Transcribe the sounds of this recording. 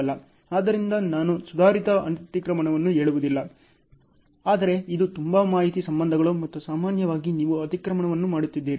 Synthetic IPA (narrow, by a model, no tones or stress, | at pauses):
lːɐ | aːd̪ɐɾind̪ɐnaːnusud̪ʱaːɾit̪ɐɐnt̪ikɾɐmɐɳɐʋɐnːuɦe̞ːɭuʋud̪ilːɐ | aːd̪ɐɾe̞id̪ut̪umbɐmaːɦit̪isɐmbɐnd̪ʱɐɡɐɭumɐt̪ːusaːmaːnjɐʋaːɡiniːʋuɐt̪ikɾɐmɐɳɐʋɐnːumaːɽut̪ːid̪ːeːɾi